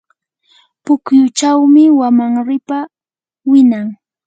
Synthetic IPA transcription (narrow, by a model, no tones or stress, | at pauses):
pʊkjʊt͡ʃawmɪwamaŋɾɪpa | wɪnaŋ